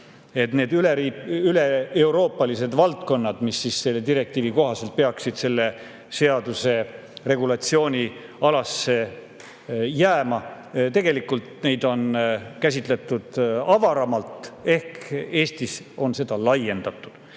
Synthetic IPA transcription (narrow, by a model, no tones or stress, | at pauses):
e̞t̪ne̞ːd̪yleiylee̞uwɾo̞ːpːˑɑlise̞d̪̥vɑlt̪̚ko̞nːɑd̪̥misːisse̞lːet̪iɾe̞k̚t̪iːviko̞ɦɑse̞lt̪̚pe̞ɑksid̪̥se̞lːe̞ | se̞ɑd̪use̞ | re̞ɡ̥ulɑt̪sio̞ːnʲiɑlɑsːe̞ | jæːmɑ | t̪e̞ɡ̥e̞likːult̪ne̞jd̪̥o̞nkæs̬ʲit̪le̞t̪ːˑud̪̥ɑvɑɾɑmɑlt̪e̞hke̞ːst̪is | o̞nse̞d̪̥ɑlɑje̞nd̪̥ɑt̪ːˑud̪̥